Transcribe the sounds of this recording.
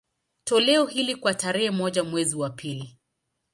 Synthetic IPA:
tɔlɛɔhilikwataɾɛhɛmɔʄamwɛziwapʰili

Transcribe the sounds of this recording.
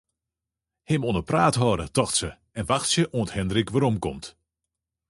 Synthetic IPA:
hɪmonəpraːtɦɔːɾətɔxtsə | ɛnʋaxtsjəʔoːə̃nthɛndɾikʋaɾɔmkɔmt

